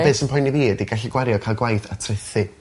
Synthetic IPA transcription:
esənpʰɔjniviːədiɡaɬiɡwaɾjɔkʰalˠɡwajθatʰrɪθɨ

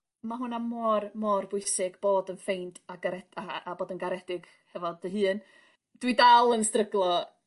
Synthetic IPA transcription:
maɦʊnamɔrmɔrbʊjsɪɡb̥oːdənfejntʰaɡaɾɛdaaboːdənɡaɾɛdɪɡ̥ | hɛvɔdəɦɨːn | d̥widalˠənstrəɡlˠɔ

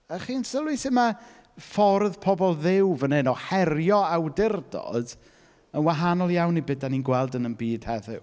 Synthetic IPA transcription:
aχiːnsəlˠwɪsɪma | fɔrðpʰɔbɔlˠðɪwvənenɔhɛrjɔawdɪrdɔ̰d̥ | ənwaɦanɔlˠjawnːibɪdaninɡwɛlˠdənənbiːd̥hɛðʊw

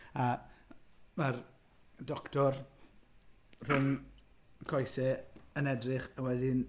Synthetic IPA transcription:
a | mar | dɔktʰɔr | r̥ʊn | kʰɔjsɛənɛdrɨχawɛdɪn

